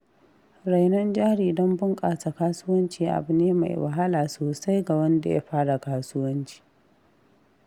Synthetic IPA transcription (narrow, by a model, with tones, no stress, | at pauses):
ɽa˨jnɐ˦nd͡ʒaː˦ɽiː˨dɔ˦mbʊ˦ŋkʼaː˨ta˨kaː˦sʊː˦wɐ˦nt͡ʃiː˨ʔa̰˨bɪ˨neː˦ma̰˨jwɐ̰˨ɦa˦laː˨soː˨sa˦jɡa˨wɐ˦nda̰˨ja̰˦ɸaː˦ɽa˨kaː˦sʊ˦wɐ˦nt͡ʃi̥ː˨